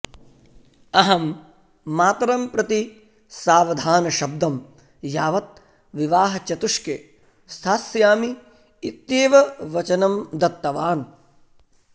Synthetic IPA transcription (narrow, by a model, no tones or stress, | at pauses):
ɐɦɐmː | aːt̪ɾɐmpɾɐt̪i | saːʋɐd̪ʱaːnɐʃɐb̚d̪ɐm | jaːʋɐt̪̚ | ʋiʋaːɦɐt͡ʃɐt̪uʂke | st̪ʰaːsjaːmi | it̪jeːʋɐʋɐt͡ʃɐnɐmd̪ɐt̪ːɐʋaːn